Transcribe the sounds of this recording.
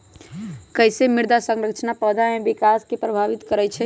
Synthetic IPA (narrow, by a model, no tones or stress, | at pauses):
kəjsemiɾd̪asəŋɾəkt͡ʃʰnapəd̪ʱamebikaskepɾəbʱaʋit̪kəɾɛjt͡ʃʰɛ